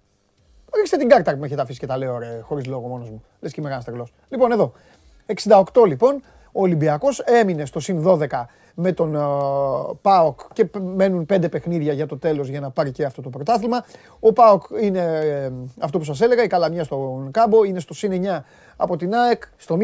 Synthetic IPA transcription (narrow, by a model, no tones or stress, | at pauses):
ɾikst̪et̪iŋɡɐɾt̪ɐɾpmeçet̪ɐfisi̥cet̪ɐle̞ooɾexo̞ɾizlo̞ɣomo̞nozmu | lescemeɣɐnɐst̪eɣlo̞slipo̞ne̞ðo̞ | e̞ksind̪ɐo̞kt̪o̞lipo̞n | oːlimbiɐko̞se̞mine̞st̪o̞sinðo̞ðe̞kɐ | me̞t̪o̞n | pɐokce̞me̞nunpe̞nd̪epe̞xniðʝɐʝɐt̪o̞t̪e̞lo̞zʝɐnɐpɐɾiceɐft̪o̞t̪o̞pɾot̪ɐθilmɐ | o̞pɐokine̞ | ɐft̪o̞pus̬ɐs̬e̞le̞ɣɐikɐlɐmɲɐst̪o̞kɐbo̞ine̞st̪o̞sineɲɐ | ɐpo̞t̪inɐekst̪o̞m